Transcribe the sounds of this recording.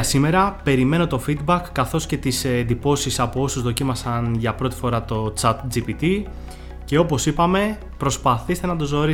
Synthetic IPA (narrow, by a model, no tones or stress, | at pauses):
sime̞ɾɐpe̞ɾime̞no̞t̪o̞fid̪bɐkːɐθo̞sce̞t̪isend̪ipo̞sisɐpo̞o̞suzðo̞cimɐsɐnʝɐpɾo̞t̪i̥fo̞ɾɐt̪o̞t͡sɐt̪d͡zipit̪i | ce̞o̞po̞sipɐme̞ | pɾo̞spɐθist̪e̞nɐd̪ozo̞ɾi